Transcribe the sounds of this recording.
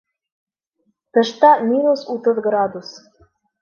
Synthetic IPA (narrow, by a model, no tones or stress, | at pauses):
t̪ɤ̆ʃt̪ɑmʲinusut̪ɤðɡɾɑd̪us